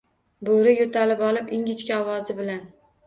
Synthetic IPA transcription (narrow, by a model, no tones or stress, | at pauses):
boɾɪjot̪ʰalɪpɒlˠɪpɪŋʲɪt͡ʃkʲaɒwɒzɪbɪlan